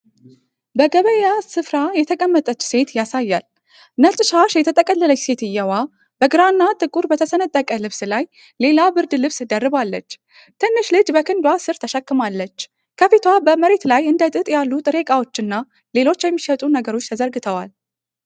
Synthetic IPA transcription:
bəɡəβəjasɨfɾajɛt̪ʰəkʼəmːət̪ʼət͡ʃːse̞t̪jasajːal | nət͡ʃ̪ʼʃaʃjɛt̪ʰət̪ʼəkʼəlːələjse̞t̪ɨjːɛwa | bəɡɨɾanːat̪ʼɨkʼuɾbət̪ʰəsənət̪ʼːəkʼəlɨβslaj | le̞labɨɾd̪lɨβsɨd̪ərːɨβalːə̰t͡ʃː | t̪ʰənːɨʃlɨd͡ʒbəkʰɨnd̪wasɨɾt̪ʰəʃəkːɨmalːət͡ʃː | kʰəfit̪ʰwabəməɾe̞t̪lajɨnd̪ət̪ʼɨt̪ʼjalːut̪ʼɨɾe̞kʼawo̞t͡ʃːɨnːa | le̞lo̞t͡ʃːjɛmːiʃət̪ʼunəɡəɾo̞t͡ʃːt̪ʰəzəɾɡɨt̪ʰəwa̰l

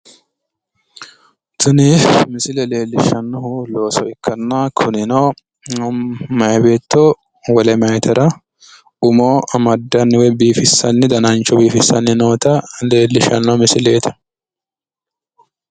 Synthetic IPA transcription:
t̪ʊnɪmɪsɪlɛle̞ːlːɪʃɐnːɔhʊlo̞ːsɔɪkʰːɐnːakʰʊnɪnoː | mɐjbeːt̪ːɔ | wɐlɛmɐjt̪ʰɐɾɐ | ʊmoːʔɐmɐd̪ːɐnːɪwɛbiːfɪsːɐnːɪd̪ɐnɐnt͡ʃːɔbiːfɪsːɐnːɪnoːt̪ɐle̞ːlːɪʃɐ̰nːɔmɪsɪleːt̪ʰɛ

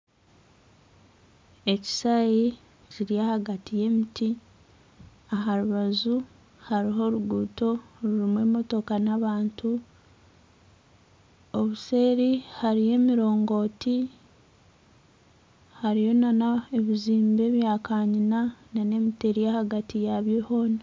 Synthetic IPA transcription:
e̞ci̥saji | ciɾiahaɡatije̞miti | aɦaɾuβazu | haɾiɦo̞ɾuɡuːto̞ɾuɾimwe̞ːmo̞to̞kanaβaːntʰu | o̞βuse̞ːɾihaɾije̞ːmiɾo̞ːŋɡo̞ti | haɾijo̞nanaeβiziːmbe̞ːβjaːkaːɲinanane̞miteɾijahaɡatʰijaβjeho̞ːna

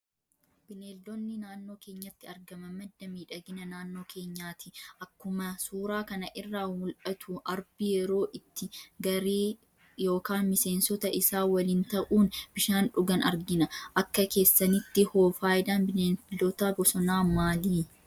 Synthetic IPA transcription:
b̥ɪneːlːɔnːɪnaːnːo̞ːkeːɲːɐt̪ːɪɐɾɡɐmɐmɐd̪ːɐmiːᶑɐɡɪnɐnaːnːo̞ːkʰe̞ːɲːaːt̪ɪ̥ʔɐkːʊmɐsuːɾaːkɐnɐʔɪrːaːwʊlʔɐt̪ʰuʔɐɾbɪjɛɾo̞ːʔɪt̪ːɪɡɐɾeː | jo̞ːkaːnmɪse̞ːnsɔt̪ɐʔɪsaːwɐlɪnt̪ɐʔuːnb̥ɪʃaːnᶑʊɡɐnɐɾɡɪnɐʔɐkːɐke̞ːsːɐnɪt̪ːɪhoːfaːjɪd̪aːnbɪneːnlːɔt̪aːbɔsɔnaːmaːliː

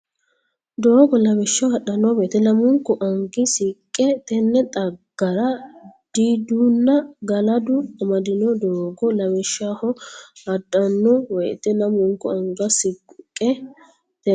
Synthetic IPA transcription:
d̪oːɡɔlɐbɛʃːɐhɐɗɐnːɔbeːt̪ɛnɐmʊŋkːɔʔɐŋɡɪsɪkʼːɛt̪ɛnːɛt̪ʼɐɡ̥ːɐɾɐd̪̥id̪unːɐɡɐlɐd̪ʊɐmɐd̪ɪnɔd̪oːɡɔlɐbɛʃaːhɔhɐᶑɐnːɔwɛjt̪ɛnɐmʊŋkːʊɐŋɡɐsɪkʼʊkʼːɛ | t̪ɛ

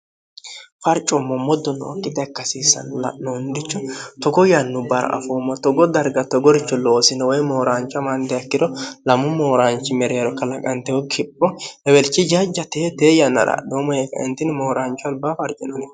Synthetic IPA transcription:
fɐɾt͡ʃʼːɔmːɔmːɔd̪ɔnːɔɔ̰kʼːɪt̪ɐkːɐsiːsːɐ̰nlɐ̰ʔnɔnd̪ɪt͡ʃːɔt̪ɔɡɔjɐnːʊbɐɾɐ̰ʔɐ̰foːmːɔt̪ɔɡɔd̪ɐɾɡɐt̪ɔɡɔɾɪt͡ʃːɔloːsɪnɔwɔjmo̞ːɾaːnt͡ʃːɐmɐnd̪ɛɐkːɪdɔlɐmʊmoːɾaːnt͡ʃːɪmɛɾeːɾɔkɐlɐkʼɐnt̪ɛwɔkʰɪpʼːɔɛwɛlt͡ʃːɪd͡ʒɐd͡ʒːɐt̪eːt̪eːjɐnɐ̰ɾa̰ɗoːmɔjekːɐ̰ʔɪnt̪ːɪnmoːɾaːnt͡ʃːɔɐlbaːfɐɾt͡ʃʼɪnɔnɛ

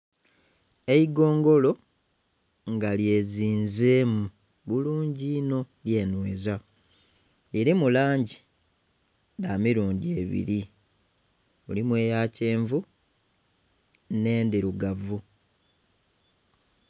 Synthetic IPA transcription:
eiɡo̞ːŋɡo̞lo̞ | ŋɡalje̞ːziːnzeːmu | βuluːɲɟiːno̞ | lje̞ːnweza | liɾimulaːɲɟi | damiɾuːɲɟie̞ːβḭɾi | mulimwe̞ːjaːce̞ːɱvu | ne̞ːndiɾuɡavu

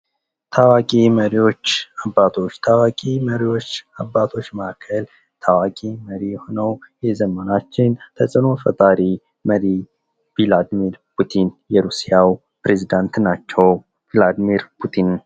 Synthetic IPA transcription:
t̪ʰawakʼiməɾiwo̞t͡ʃːabːat̪ʰo̞t͡ʃːt̪ʰawakʼiməɾiwo̞t͡ʃːabːat̪ʰo̞t͡ʃːməakʰːəl | t̪ʰawakʼiməɾiho̞nəwjɛzəmːənat͡ʃːɪnt̪ʰəsʼɨno̞fə̰t̪ʼaɾi | məɾi | v̥ilad̪miɾpʰut̪ʰinjɛɾusijaw | pɾezid̪ant̪nat͡ʃːɛw | vilad̪miɾpʰut̪ʰin

